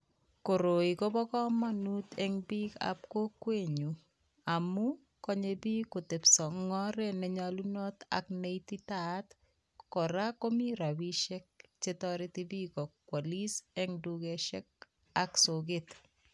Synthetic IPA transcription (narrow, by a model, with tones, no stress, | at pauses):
ko˨ɾo˨i˨ko˦bɔ˦kɔ˦ma˦nu˦t̪ɛ˦ŋbi˦ka̰p̚ko˦kwe˦ɲu˨ | a˨mu˦ | kɔ˦ɲe˦bi˦ko˨t̪e˨psɔ˨ŋːɔ˦ɾe˦nɛ˨ɲalu˦nɔ˦t̪a̰˨kne˦it̪i˦t̪at̪ | kɔ˨ɾa˦ko˦mi˦ɾa˨wi˦ʃɛ˦k̚t͡ʃe˦t̪ɔɾɪ˦t̪i˦bi˦kɔ˨kːwa˨li˦sɛ˦ŋduɡeʃɛ˦k̚ | a˦ksoɡɪt̪